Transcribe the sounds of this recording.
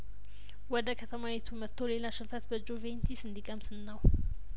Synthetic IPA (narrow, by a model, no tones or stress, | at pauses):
wɔd̪əkʰət̪ʰəmawet̪ʰumət̪ʰːole̞laʃɨmfət̪bəd͡ʒovent̪ʰisɨnd̪ikʼəmsɨnːaw